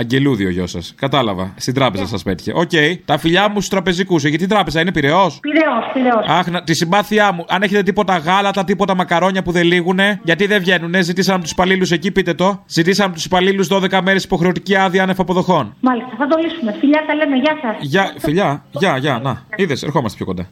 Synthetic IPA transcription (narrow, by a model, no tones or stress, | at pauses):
ɐɲɟe̞luðio̞̰ʝo̞̰sɐ̰skɐt̪ɐlɐ̰vɐ̰st̪ind̪ɾɐpe̞zɐ̰sɐspe̞t̪i̥çe̞̰ʔoce̞jt̪ɐfiʎɐmust̪ust̪ɾɐpe̞zikus̬eʝɐt̪it̪ɾɐpe̞zɐine̞piɾe̞o̞spiɾeospiɾeosɐxnɐt̪isimbɐθiɐmuʔɐneçet̪e̞t̪ipo̞t̪ɐɣɐlɐt̪ɐt̪ipot̪ɐmɐkɐɾo̞ɲɐpuðe̞liɣune̞ʝɐt̪iðe̞vʝe̞nune̞zit̪isɐnɐpot̪usi̥pɐliluse̞cipit̪e̞t̪o̞zit̪isɐnɐpot̪u̥si̥pɐliluzðo̞ðe̞kɐme̞ɾe̞si̥po̞xɾe̞ot̪iciɐðiɐnefɐpo̞ðo̞xo̞nmɐlist̪ɐθɐd̪olisumefiʎɐt̪ɐlemeʝɐsɐsʝɐfiʎɐʝɐʝɐnɐiðeseɾxo̞mɐst̪epçʰokond̪ɐ̰